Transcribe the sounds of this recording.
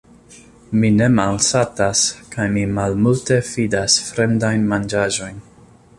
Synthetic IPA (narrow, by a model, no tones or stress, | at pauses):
mine̞malsataskajmimalmulte̞fidasfɾe̞mdajnmand͡ʒaʒo̞jn